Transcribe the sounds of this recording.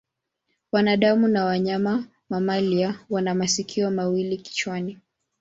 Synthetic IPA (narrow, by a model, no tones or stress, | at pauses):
wanaɗamunawaɲama | mamaliawanamasikʰiɔmawiliki̥t͡ʃwani